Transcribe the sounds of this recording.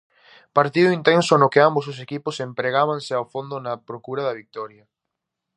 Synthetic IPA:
paɾt̪iðʊint̪ensʊnʊkɪambos̬ʊs̬ekipʊsempɾeɣaβaŋsɪawfond̪ʊnɐpɾokuɾɐðɐβik̚t̪ɔɾjɐ

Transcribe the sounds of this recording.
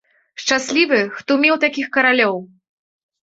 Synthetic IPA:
ʂt͡ʂasʲlʲivɨxt̪umʲiwt̪akʲixkɐɾalʲɔw

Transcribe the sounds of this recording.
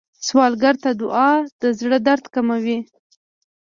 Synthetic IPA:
swɑlɡaɾt̪ad̪ʊʔɑd̪̥əzɽəd̪aɾt̪kamawi

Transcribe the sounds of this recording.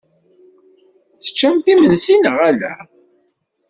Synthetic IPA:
θə̥t͡ʃːæmθimənsinəʁælæ̰

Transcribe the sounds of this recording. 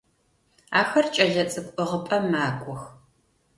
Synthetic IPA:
aːxɐrt͡ʃʼɐɮɐt͡sʼɨkʷʼɨʁəpʼɐmaːkʷʼɔx

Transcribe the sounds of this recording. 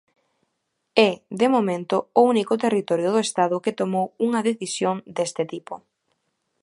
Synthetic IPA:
ɛðemomẽnt̪ʊounikʊt̪erit̪ɔɾjʊð̞oest̪aðʊkɪt̪omowuŋɐðeθisjoŋd̪est̪ɪt̪ipʊ

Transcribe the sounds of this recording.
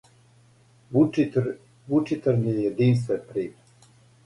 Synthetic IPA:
u | vut͡ʃit̪əɾnijɛd̪inst̪ɛpɾi

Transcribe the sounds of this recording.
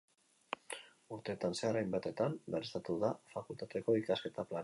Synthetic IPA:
uɾt̪e̞ːt̪anse̞aɾajmbat̪e̞t̪amberest̪at̪uðafakult̪at̪eko̞ikaske̞t̪aplan

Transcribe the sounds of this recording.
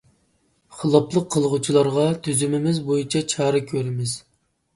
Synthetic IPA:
χəlˠɑplˠəqʰːəlˠʁut͡ʃʰilˠɑɾʁɑt̪ʰyzymɪmɪzbojit͡ʃʰɑt͡ʃʰɑːɾɨkʲʰøɾɪmɪz̥

